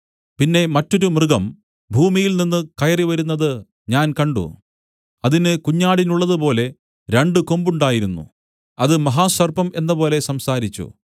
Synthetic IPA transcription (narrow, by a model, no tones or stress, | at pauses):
pinːe̞mɐtːo̞ɾumrɨɡɐm | bʱuːmijilninːɨkɐjɐriʋɐɾunːɐðɨ | ɲaːnkɐɳɖṵ | ɐðinɨkuɲːaːɽinuɭːɐðupo̞ːle̞ | ɾe̞ɳɖɨko̞mbuɳɖaːjiɾunːṵ | ɐðɨmɐɦaːsɐrbɐme̞nːɐpo̞ːle̞sɐmsaːɾit͡ɕːṵ